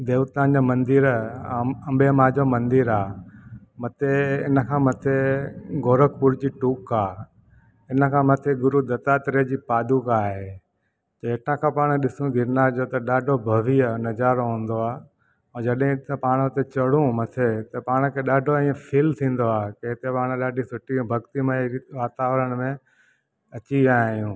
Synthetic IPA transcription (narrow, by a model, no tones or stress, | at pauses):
d̪eːʋət̪ãːnd͡ʑamɐ̃nd̪ɪɾ | ɐmbʱemaːd͡ʑomɐ̃nd̪iɾaː | mɐt̪eɪ̰nə̆kʰãːmɐt̪ʰeɡoːɾəkpʊɾd͡ʑiːʈuːkaː | ɪnəkʰãːmɐt̪ʰeɡʊɾud̪ɐt̪at̪ɪɾed͡ʑiːpaːd̪ukaːɦe | t̪ɐeʈãkʰãːpaːɽ̃ɗɪsũɡʱɪɾnaːɾd͡ʑot̪ɐɗaːɖʱobʱɐʋiənɐd͡ʑaːɾoɦũːn̆d̪oaː | ɛ̃ːd͡ʑɐɗɦɪ̃t̪ɐpaːɽ̃ɦʊt̪et͡ɕɐɽ̤ũmɐt̪ʰet̪ɐpaːɽ̃kʰeɗaːɖʱoĩːə̃fʰiːlt̪ʰĩːn̆d̪oaːkeɦɪt̪epaːɽ̃ɗaːɖʱisʊʈʰĩbʱɐɡt̪imẽiʋaːt̪aːʋɾəɽ̃mẽ | ɐt͡ɕiʋaaːijũː